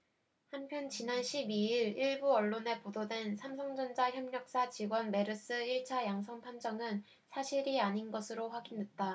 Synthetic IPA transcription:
hampʰjʌnt͡ɕinanɕʰibiiɾiɭbuʌɭːone̞pododwe̞nsʰamsʰʌŋd͡ʑʌnd͡ʑaçjʌmɲʌk̚s͈at͡ɕiɡwʌnme̞ɾɯs͈ɯiɭt͡ɕʰajaŋsʰʌŋpʰand͡ʑʌŋɯn | sʰaɕʰiɾiaɲinɡʌsʰɯɾoɸwaɡindwe̞t̚t͈a

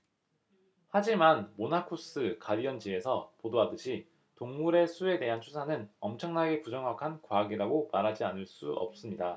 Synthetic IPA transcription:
had͡ʑimanmonakʰus͈ʰɯkaɾiʌnd͡ʑie̞sʰʌpodoadɯɕʰi | toŋmuɾe̞sʰue̞te̞ɦant͡ɕʰusʰanɯnʌmt͡ɕʰʌŋnaɡe̞pud͡ʑʌŋɦakʰankwaɡiɾaɡomaɾɦad͡ʑianɯɭs͈uʌ̰p̚s͈ɯmɲida

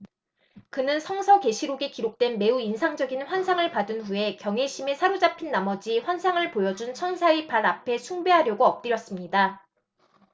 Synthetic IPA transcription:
kɯnɯnsʰʌŋsʰʌke̞ɕʰiɾoɡekiɾok̚t͈we̞nme̞uinsʰaŋd͡ʑʌɡinɸwansʰaŋɯɭpadɯnɸue̞kjʌŋe̞ɕʰime̞sʰaɾud͡ʑapʰinːamʌd͡ʑiɸwansʰaŋɯɭpojʌd͡ʑunt͡ɕʰʌnsʰaipaɾapʰe̞sʰuŋbe̞ɦaɾjʌɡoʌp̚t͈iɾjʌs͈ɯmɲida

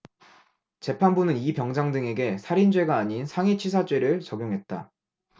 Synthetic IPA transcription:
t͡ɕe̞pʰanbunɯnipjʌŋd͡ʑaŋdɯŋe̞ɡe̞sʰaɾind͡ʑwe̞ɡaːɲinsʰaŋet͡ɕʰisʰad͡ʑweɾɯɭt͡ɕʌɡjoŋɦe̞t̚t͈a̰

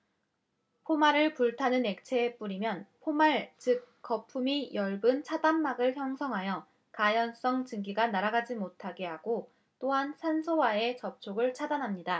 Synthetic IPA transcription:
pʰomaɾɯɭpuɭtʰanɯne̞k̚t͡ɕʰe̞p͈uɾimjʌnpʰomaɭt͡ɕɯk͈ːʌpʰumijʌɭbɯnt͡ɕʰadamːaɡɯɭçjʌŋsʰʌŋɦajʌ | kajʌns͈ʌŋt͡ɕɯŋɡiɡanaɾaɡad͡ʑimotʰaɡe̞ɦaɡo | t͈oɦansʰansʰowae̞t͡ɕʌp̚t͡ɕʰoɡɯɭt͡ɕʰadanɦamɲida

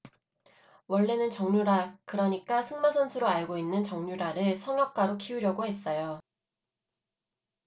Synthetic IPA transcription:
wʌɭːenɯnt͡ɕʌŋɲuɾakɯɾʌɲik͈asʰɯŋmasʰʌnsʰɯɾoaɭɡoinːɯnt͡ɕʌŋɲuɾaɾɯɭsʰʌŋjʌk̚k͈aɾokʰiuɾjʌɡoɦe̞s͈ʌjo

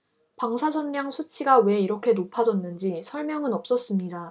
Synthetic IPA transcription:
paŋsʰad͡ʑʌnɾjaŋsʰut͡ɕʰiɡawe̞iɾʌkʰe̞nopʰad͡ʑʌnːɯnd͡ʑisʰʌɭmjʌŋɯnʌp̚s͈ʌs͈ɯmɲida

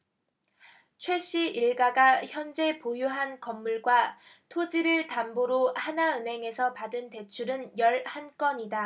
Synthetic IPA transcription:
t͡ɕʰwe̞ɕ͈ʰiʔiɭɡaɡaçjʌnd͡ʑe̞pojuɦankʌmːuɭɡwa | tʰod͡ʑiɾɯɭtamboɾohanaɯnɦe̞ŋe̞sʰʌpadɯnte̞t͡ɕʰuɾɯnjʌɭhank͈ʌɲida

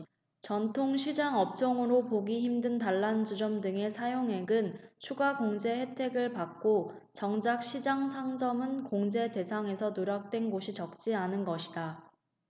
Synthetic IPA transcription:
t͡ɕʌntʰoŋɕʰid͡ʑaŋʌp̚t͡ɕ͈ʌŋɯɾopoɡiçimdɯntaɭːand͡ʑud͡ʑʌmdɯŋe̞sʰajoŋɦe̞ɡɯnt͡ɕʰuɡaɡoŋd͡ʑe̞he̞tʰe̞ɡɯɭpak̚k͈o | t͡ɕʌŋd͡ʑak̚ɕʰid͡ʑaŋsʰaŋd͡ʑʌmɯnkoŋd͡ʑe̞de̞sʰaŋe̞sʰʌnoɾak̚t͈we̞nɡoɕʰit͡ɕʌk̚t͡ɕ͈ianɯnɡʌɕʰida

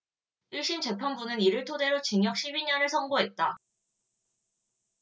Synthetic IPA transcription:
iɭɕ͈int͡ɕe̞pʰjʌnbunɯniɾɯɭtʰode̞ɾot͡ɕiŋjʌk̚ɕ͈ʰibiɲʌnɯɭsʰʌŋɡoɦe̞t̚t͈a

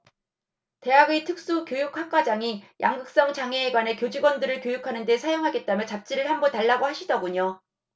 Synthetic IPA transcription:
te̞ɦaɡitʰɯk̚s͈ukjojukʰɸak͈ad͡ʑaŋijʔaŋɡɯk̚s͈ʌŋt͡ɕaŋeːɡwane̞kjod͡ʑiɡwʌndɯɾɯɭkjojukʰanɯnde̞sʰajoŋɦaɡe̞t̚t͈amjʌt͡ɕap̚t͡ɕ͈iɾɯɭhambʌntaɭːaɡohaɕʰidʌɡuɲo

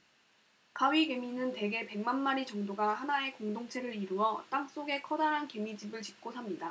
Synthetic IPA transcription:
kʰawɥike̞minɯnte̞ɡe̞pe̞ŋmanmaɾit͡ɕʌŋdoɡahanae̞koŋdoŋt͡ɕʰe̞ɾɯɾiɾuʌt͈aŋs͈oɡe̞kʰʌdaɾɦanke̞mid͡ʑibɯɭt͡ɕi̥p̚k͈osʰamɲida

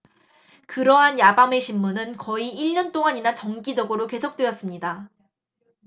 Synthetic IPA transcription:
kɯɾʌɦanjabameɕʰimmunɯnkʌiiɭɲʌnt͈oŋaɲinat͡ɕʌŋɡid͡ʑʌɡɯɾoke̞sʰok̚t͈we̞ʌs͈ɯmɲida

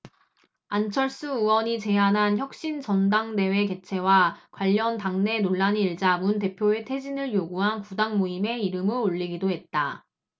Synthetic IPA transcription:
ant͡ɕʰʌɭs͈ɯuwʌɲit͡ɕe̞ɦanɦançjʌk̚ɕ͈int͡ɕʌndaŋde̞we̞ke̞t͡ɕʰe̞wakwaʎːʌntaŋne̞noɭːaɲiɭd͡ʑamunte̞pʰjoe̞tʰe̞d͡ʑinɯɭjoɡuɦankudaŋmoime̞iɾɯmɯɭoɭʎːiɡidoɦe̞t̚t͈a

